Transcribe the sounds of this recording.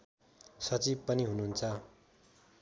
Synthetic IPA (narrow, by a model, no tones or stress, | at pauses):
sʌt͡sib̚pʌniɦunuɦunt͡sʰʌ